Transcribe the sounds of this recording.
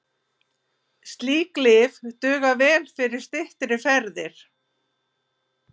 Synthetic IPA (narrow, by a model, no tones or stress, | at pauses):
st̪liːklɪvt̪ʏːɣavɛːlfɪɾɪɾ̥st̪ɪht̪ɾɪfɛɾðɪɾ̥